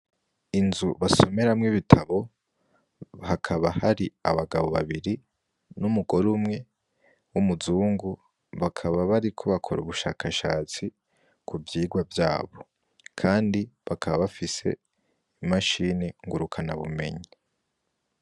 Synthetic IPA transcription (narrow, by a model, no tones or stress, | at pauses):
inzuβaso̞me̞ɾamŋiβitʰaβo̞ | hakʰaβahaɾiaβaɡaβo̞βa̰βiɾi | numuɡo̞ɾumŋe̞ | wumuzuːŋɡu | βakʰaβaβaɾikʰo̞βakʰoɾṵβuʃa̰ːkaʃa̰ːt͡si | kuvjiːɡwavjaːβo̞ | kʰaːndiβakʰaβaβafise̞̰ | imaʃiniŋɡuɾukʰana̰βṵme̞̰ɲi